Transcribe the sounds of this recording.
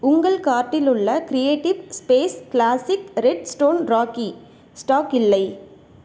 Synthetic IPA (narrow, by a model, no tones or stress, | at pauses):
ʊŋɡɐɭkaːɾʈːɪlɯɭːɐkɾɪjeːʈɪʋspeːskɭaːsɪkɾɛɖsʈoːnɾaːki | sʈaːkɪlːɐɪ